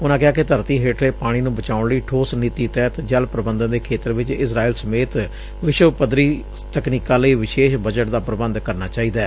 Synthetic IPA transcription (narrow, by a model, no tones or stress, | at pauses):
ʊnãːkɪaːkɪt̪əɾt̪iːɦeːʈɾeːpaːɽ̃iːnũːbət͡ʃaːʊɳləiːʈʰoːsniːt̪iːt̪ɛːt̪d͡ʒəlpɾəbənd̪ənd̪eːkʰeːt̪əɾʋɪt͡ʃɪsɾaːiːlsəmeːt̪ | ʋɪʃwəpəd̪ɾiː | t̪əkniːkãːləiːʋɪʃeːʃbəd͡ʒəʈd̪aːpɾəbənd̪kəɾnaːt͡ʃaːiːd̪aː